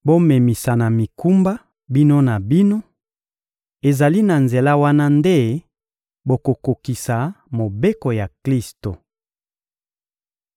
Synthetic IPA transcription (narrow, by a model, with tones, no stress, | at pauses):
bo˦me˨mi˨sa˨na˨mi˨ku˦mba˦ | bi˦no˦na˨bi˦no˦ | e˨za˨li˦na˨nze˨la˦wa˦na˦nde˦ | bo˨ko˨ko˨ki˨sa˨ | mo˨be˦ko˨ja˨kli˦sto˨